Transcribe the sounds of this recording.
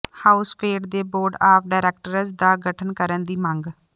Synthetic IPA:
haːʊspʰeːɖd̪eːboːɾɖaːp̚ʰɖaːɪɾɛːk̚ʈəɾəzd̪aːɡəʈʰənkəɾənd̪iːməŋɡ

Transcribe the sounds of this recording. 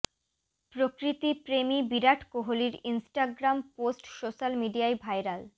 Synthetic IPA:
pɾokɾit̪ipɾemibiɾaʈʰkoɦoliɾinsʈaɡɾamposʈsoʃalmiɖiaebʱajɾal

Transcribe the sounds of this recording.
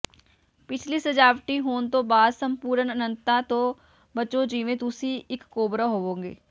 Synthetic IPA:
pɪt͡ʃʰliːsəd͡ʒaːʋʈiɦoːnt̪õːbaːd̪səmpuːɾənənə̃nt̪at̪õː | bət͡ʃõd͡ʒiːʋẽːt̪ʊsiɪkːoːbɾaɦoːʋõːɡḛː

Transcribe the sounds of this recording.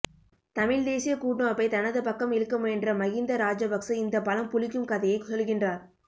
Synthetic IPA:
t̪ɐmɪɻd̪eːsɪjɐkuːʈɳɐɐpːɐɪt̪ɐnɐðɯpɐkːɐmɪɾɯkːɯmɛndrɐmɐɣɪnd̪ɐɾaːd͡ʒɐbɐksɐɪnd̪ɐpɐlɐmpʊlɪkːɯmkɐðɐjɐɪksɔlɣɪndraːɾ

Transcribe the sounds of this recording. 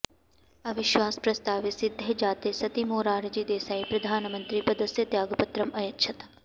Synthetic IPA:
ɐʋɪʃʋaːspɾɐst̪aːʋisɪd̪ʱjɐd͡ʒaːt̪eːsɐt̪imoːɾaːɾd͡ʒiːd̪eːsaːipɾɐd̪ʱaːnɐmɐnt̪ɾipɐd̪ɐsjɐt̪jaːɡɐpɐt̪ɾɐmɐjɐtːʃʰɐt̪

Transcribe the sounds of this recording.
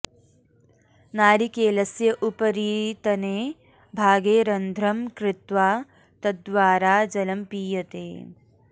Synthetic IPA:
naːɾikeːlɐsjɐʔupɐɾiːt̪ɐneː | bʱaːɡeːɾɐnd̪ʱɾɐmkɾɪt̪ʋaː | t̪ɐd̪ʋaːɾaːd͡ʒɐlɐmpiːjɐt̪ḛː

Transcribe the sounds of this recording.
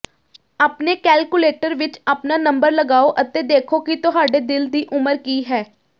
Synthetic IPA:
aːpneːkɛːlkʊleːʈəɾʋɪt͡ʃaːpnaːnə̃mbəɾləɡaːoːʔət̪eːd̪eːkʰoːkɪt̪ʊɦaːɖeːd̪ɪld̪iːʔʊməɾkiːɦɛː

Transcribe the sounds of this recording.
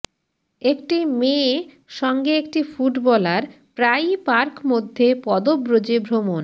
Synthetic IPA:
ekʈime | ʃɔŋɡeekʈifuʈbɔlaɾ | pɾajpaɾkmod̪ʱːepɔd̪obɾod͡ʑebʱɾomon

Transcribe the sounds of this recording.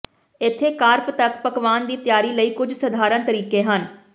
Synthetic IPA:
ɪt̪ʰːeːkaːɾpt̪əkpəkʋaːnd̪iːt̪ɪjaːɾiːləiːkʊd͡ʒʱsəd̪ʱaːɾənt̪əɾiːkeːɦən

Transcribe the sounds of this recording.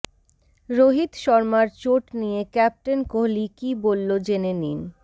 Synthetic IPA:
ɾoɦit̪ʃɔɾmaɾt͡ɕoʈnijekɛp̚ʈenkoɦlikibolːod͡ʑenenin

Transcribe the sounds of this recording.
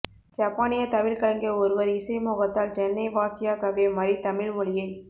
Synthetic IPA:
d͡ʒaːpːaːnɪjɐt̪ɐʋɪlkɐɭɐŋɡɪɐɔɾɯʋɐɾɪsɐɪmoːɣɐt̪ːaːlt͡ʃɛnːɐɪʋaːsɪjaːkɐʋeːmɐɾit̪ɐmɪɭmʊɭɪjɐɪ

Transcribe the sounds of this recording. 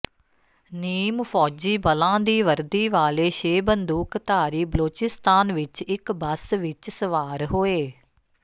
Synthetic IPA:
niːmfʰɔːd͡ʒiːbəlãːd̪iːʋəɾd̪iːʋaːleːʃeːbənd̪uːkt̪aːɾiːbəloːt͡ʃɪst̪aːnʋɪt͡ʃɪkbəsʋɪt͡ʃsəʋaːɾɦoːeː

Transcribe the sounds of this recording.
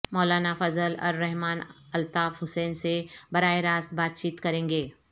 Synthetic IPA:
mɔːlaːnafɐzəlɔ̰ːɾːɛɦmaːnɐlt̪aːfɦʊsɛːnsebɐɾaːeɾaːsbaːt̪̚t͡ʃiːt̪kɐɾẽːŋɡeː

